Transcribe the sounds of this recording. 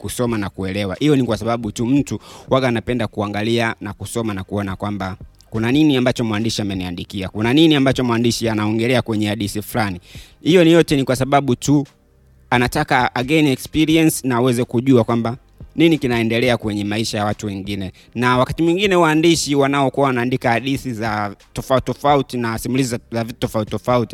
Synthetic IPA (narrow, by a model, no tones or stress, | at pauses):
kusɔmanakuɛlɛwa̰hijɔnikwasaɓaɓutum̩tuwaɡaːnapɛndakuaŋɡalianakusɔmanakuɔnakwamba | kunaniniambat͡ʃɔmwandiʃiamɛniandikiakunaniniambat͡ʃɔmwandiʃianaɔŋɡɛlɛakwɛɲɛaɗisifulani | hijɔnijɔtɛnikwasaɓaɓutu | anatakaaɡɛniɛkspiɾiɛnsi̥naːwɛzɛkuʄuakwamba | ninikinaɛndɛlɛakwɛɲɛmaiʃajawatuwɛŋɡinɛ | nawakatimwiŋɡinɛwaːndiʃiwanaɔkuawanaːndikaaɗisizatɔfautɔfautinasimulizizzavittɔfauttɔfauti̥